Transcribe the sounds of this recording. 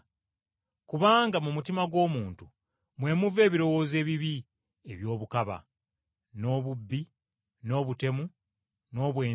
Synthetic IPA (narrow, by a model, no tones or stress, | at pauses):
kuβaːŋɡamumutimaɡwo̞ːmuːntu | mwe̞ːmuve̞ːβiɾo̞wo̞ːze̞ːβiβi | eβjo̞ːβukaβa̰ | no̞ːβubːi | no̞ːβute̞mu | no̞ːβwe̞ː